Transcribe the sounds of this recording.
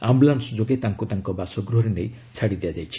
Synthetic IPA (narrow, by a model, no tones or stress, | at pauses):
ambulansɔd͡ʒoɡet̪aŋkut̪aŋkɔbasɔɡɾuɦɔɾenej | t͡ʃʰaɽid̪ead͡ʒajt͡ʃʰi̥